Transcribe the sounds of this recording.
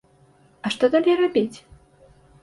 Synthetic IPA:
ɐʂt̪ɔd̪alʲejrabʲit͡sʲ

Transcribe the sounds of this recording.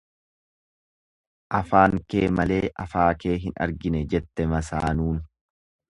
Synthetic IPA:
ʔɐfaːŋke̞ːmɐle̞ːʔɐfaːke̞ːɦɪnɐ̰ɾɡɪnɛd͡ʒɛt̪ːɛmɐsaːnuːn

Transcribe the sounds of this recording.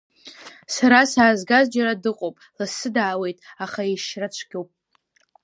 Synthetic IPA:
saɾasaːzɡazd͡ʒaɾadɨqʼowpʼlasɨdaːwe̞jtʼaχaiʃrat͡ʃʷʰɡ̥ʲowpʼ

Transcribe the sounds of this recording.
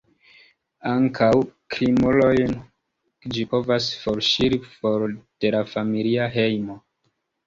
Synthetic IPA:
aŋkʰawkɾimulojn | d͡ʒipo̞vasfoɾʃiɾifo̞ɾd̥e̞lafamiliaɦe̞jmo

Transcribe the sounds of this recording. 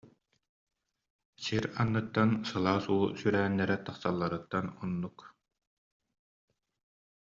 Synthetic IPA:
siɾanːɯt̪ːansɯlˠaːsuːsyɾæːnːɛɾɛt̪aχsalˠːaɾɯt̪ːanɔnːuk

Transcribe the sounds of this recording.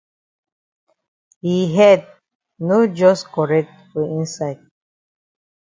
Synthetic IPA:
hiɦɛd̚ | nod͡ʒɔskɔɹɛk̚tfɔĩnsaɪd̚

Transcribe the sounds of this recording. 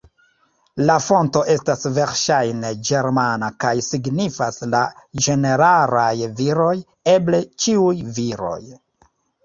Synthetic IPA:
lafo̞nto̞ʔe̞stasve̞ɾʃajne̞d͡ʒe̞ɾmanakajsiɡnifaslad͡ʒe̞ne̞ɾalajviɾo̞j | e̞ble̞t͡ʃiujviɾo̞̰j

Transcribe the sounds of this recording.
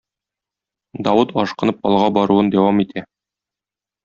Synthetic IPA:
d̪ɒwɤt̪ɒʃqɤ̆nɤp̚ɒlˠʁɑbɒɾuɤnd̪æwɑmit̪ʰæ

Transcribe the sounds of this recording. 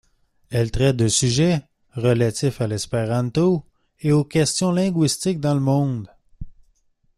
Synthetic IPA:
ɛlt̪ʁɛt̪̚d̪əsyʒɛ | ʁəlat̪ɪfalɛspeʁɑ̃t̪o | eokʲɛst̪jɔ̃lɛ̃ɡɥist̪ɪk̚d̪ɑ̃ləmɔ̃d̪

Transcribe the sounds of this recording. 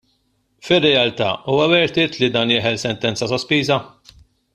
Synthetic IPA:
fɪrːɛɐlt̪ɐ̰ːuːwɐvɛɾt̪ɪːt̪lid̪ɐːnjɪːħɛlsɛnt̪ɛnt͡sɐsɔspiːzɐ

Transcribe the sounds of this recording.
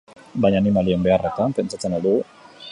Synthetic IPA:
bajɲaːnimaliembe̞aret̪ampe̞nt͡ʃat͡senald̪uɣu

